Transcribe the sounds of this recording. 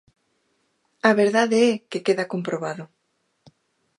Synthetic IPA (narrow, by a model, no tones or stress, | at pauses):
aβeɾðaðeɛkekeðakompɾoβaðʊ